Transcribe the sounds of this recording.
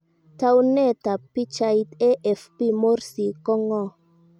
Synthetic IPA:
ta˦wnɛ˦˨ta˨pi˦t͡ʃa˧i˦tɛ˦ʔɛ˨fpi˦mo˦ɾsi˨kɔ˦ŋɔ˦˨

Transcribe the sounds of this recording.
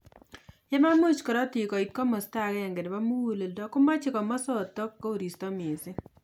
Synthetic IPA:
jɛ˦ma˦mu˦t͡ʃkɔ˨ɾɔ˦ti˨kɔ˨i˨t̪̚kɔ˦mɔ˨sta˦kɛ˦ɛ˨ŋɡe˨dba˦mu˦wu˦le˨ldɔ˦kʊ˦ma˦t͡ʃɪ˦kɔ˨mɔ˦sɔ˦˨t̪ɔ˦kːo˦o˨ɾi˨stɔ˦mɪ˨sɪ˦

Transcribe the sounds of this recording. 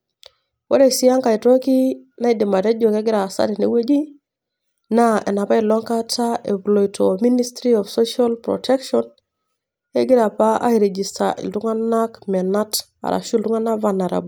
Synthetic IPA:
wo̰˦ɾe˦si˦a˦ŋka˨i˨to˦ki˦na˦i˦di˨ma˨te˦d͡ʒo˨ke˦ɡi˦ɾa˨sa̰˦ti˨nḛ˦we˦d͡ʒi˦ | naḛ˨na˨pa˦i˨lo˦ŋka˦tʰaʔe˨vlo˨jtʰomi˦ni˦stɾi˦ɔfso˦ʃa˦lpɾo̰tʰe˦kʃɔn | e˦ɡi˦ɾa˨pa˦a̰˦iɾe˨d͡ʒi˨staʔḭ˨ldu˦ŋa˦na˦kme˨na˦t | a̰˨ɾa̰˨ʃu˦ildu˦ŋa˦na˦vana˨ɾa̰˨b

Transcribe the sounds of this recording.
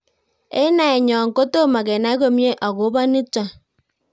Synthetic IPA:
ḛ˦na˨e˨ɲɔ˨ŋ̩˨ko˦to˦ma˨ke˨na˨˦ɣo˦mje˦ʔɔ˨ɣo˨˦ba˦ni˦ta˨

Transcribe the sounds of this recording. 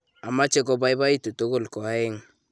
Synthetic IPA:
a˨ma˦t͡ʃe˦kɔ˦ba˦jba˦i˦tu˨to˦ko˦˨lkɔ˨a˦ɪ˦ŋ

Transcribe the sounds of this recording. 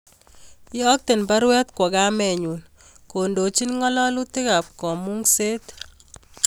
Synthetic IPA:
ɪ˦ɔ˦k̚t̪e˨nba˦ɾwɛ˦t̪kwɔ˨ɡa˦mɛ˨ɲu˨n | ko˨ndo˨t͡ʃi˦nŋɔ˦lɔ˦lʊ˦t̪ɪ˦ka˨p̚kɔ˨mu˦ŋse˦t̪

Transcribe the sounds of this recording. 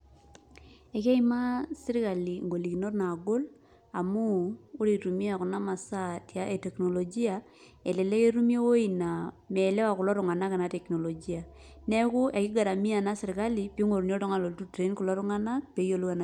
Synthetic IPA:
e˨kɛ˦i˦ma˦sɪ˦ɾɪ˦ka˨li˨ŋɡo˨li˨ki˨no˦rna˨ɡo˦l | a˨muː˦ɾi˨ɾu˨mi˦a˨kʊ˨na˦ma˨sa˦tja˦ʔe˨te˨kno˨lo˨d͡ʒi˦a˨ | e˨lɛ˨le˦ke˦ɾu˦mje˦wo˦i˨na˨ | mɛ˨le˦wa˨kʊ˨lɔ˦ɾʊ˨ŋa˨na˦ka˨na˨tɛ˨kno˨lo˨d͡ʒi˦a˨ | nɛ˦kʊ˦ʔe˨kɪ˦ɡa˨ɾa˨mi˦a˨na˦sɪ˨ɾɪ˨ka˦lipi˦ŋo˨ɾn˦o˦tɔ˦ŋa˨lo˨ltu˦tɾe˨˦nku˨lɔ˦ɾʊ˦ŋa˦na˦k̚pe˨˦jo˦lu˦ka˨na˨

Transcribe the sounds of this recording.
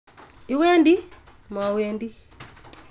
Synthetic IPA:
i˨˦wɛ˦ndi˦ | m˨a˨wɛ˦ndi˦

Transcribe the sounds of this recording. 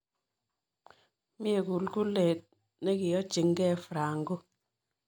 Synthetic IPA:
mɪ˦e˨ku˨lku˦le˨t̚ | ne˦kɪ˨jɔ˦t͡ʃi˨ŋɡɛ˦fɾa˨ŋɡo˦

